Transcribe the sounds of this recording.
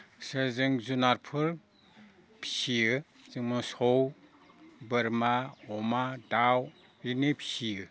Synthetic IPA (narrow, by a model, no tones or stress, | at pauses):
sɯzɯŋzunaɾpʰɯɾ | pʰi̥sijɯ | z̥ɯŋmɯsɔw | bɯɾmaɔmadaw | ɾinepʰi̥sijɯ